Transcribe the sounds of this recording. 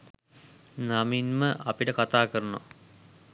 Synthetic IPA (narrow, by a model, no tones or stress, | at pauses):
naminməʔɐpiʈəkat̪aːkəɾəno̰